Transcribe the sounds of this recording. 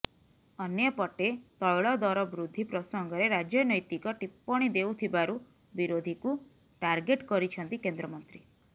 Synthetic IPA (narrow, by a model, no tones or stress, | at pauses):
ɔnjɔpɔʈet̪ɔjɭɔd̪ɔɾɔbɾud̪ʱːipɾɔsɔŋɡɔɾeɾad͡ʒjɔnɔjt̪ikɔʈipːɔɽ̃id̪eut̪ʰibaɾu | biɾod̪ʱiku | ʈaɾɡeʈkɔɾit͡ʃʰɔnt̪ikend̪ɾɔmɔnt̪ɾi